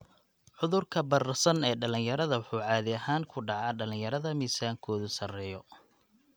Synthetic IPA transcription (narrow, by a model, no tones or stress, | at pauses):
ʕʊðʊrkʰɐbɐrɐsɐnɛːɖɐlɪnjɐɾɐðɐwʊħuːʕɑːðɪɐhaːŋkʰʊɖɑʕɑːɖɐlɪnjɐɾɐðɐmiːsaːŋkʰɔːðʊsɐrɛːjɔ